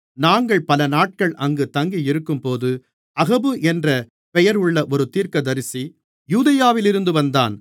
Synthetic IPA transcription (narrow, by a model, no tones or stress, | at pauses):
naːŋɡɐɭpɐlɐnaːʈ̚kɐɭʔɐŋɡɯt̪ɐŋɡijɪɾɯkːɯmpoːðɯ | ɐɣɐbɯʔɛndrɐ | pɛjɐɾɯɭːɐʔɔɾɯt̪iːɾkɐd̪ɐɾɪsi | juːðɐjaːʋɪlɪɾɯnd̪ɯʋɐnd̪a̰ːn